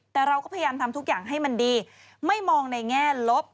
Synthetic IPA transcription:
t̪ɛː˨˩ɾa˧wkɔː˥˩pʰa˧ja˧jaː˧mt̪ʰmt̪ʰu˦˥k̚jaː˨˩ŋɦa˥˩jma˧ndiː˧ | ma˥˩jmɔː˧ŋna˧jŋɛː˥˩lo˦˥p̚

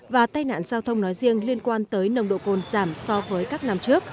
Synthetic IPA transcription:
vaː˨˩t̪aː˧jna̰ː˧˨nzaː˧wt̪ʰə˧wŋ͡mnɔ˨˦jzi˧əŋli˧ənkwaː˧nt̪əː˨˦jnə˨˧˩wŋ͡mɗo̰˧˨ko˨˩nzaː˧˩msɔ˧vəː˨˦jkaː˦˥k̚na˧mt͡ɕɨ˦˥ək̚

